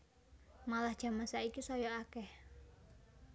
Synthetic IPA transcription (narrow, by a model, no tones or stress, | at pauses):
malahd͡ʒamasaikisɔjɔʔakɛh